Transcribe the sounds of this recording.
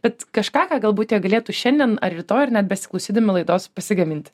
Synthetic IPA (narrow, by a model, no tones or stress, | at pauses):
bʲɛt̪kɐʃkɑːkɑːɡɐlˠbuːt̪ʲjɛɡɐlʲeːt̪uʃʲɛnʲd̪ʲiɛnɐɾɪt̪oːɐrnʲɛt̪bʲɛsʲɪ̥klˠɐʊsʲiːd̪ɐmʲɪlˠɐɪd̪oːspɐsʲɪɡɐmʲɪnʲt̪ʲ